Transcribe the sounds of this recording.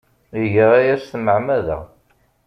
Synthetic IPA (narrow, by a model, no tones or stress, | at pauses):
əʝəʁæjæsθməʕmæðæ̰ʁ